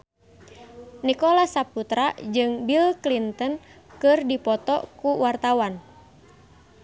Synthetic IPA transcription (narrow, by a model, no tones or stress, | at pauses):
nikɔlasaput̪ɾad͡ʒɨŋbilklint̪ən | kɨrdipɔt̪ɔ̰kuwart̪awan